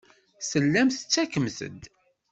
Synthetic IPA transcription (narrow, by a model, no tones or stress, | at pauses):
səlːæmθə̥t͡sːækəmθə̰d̪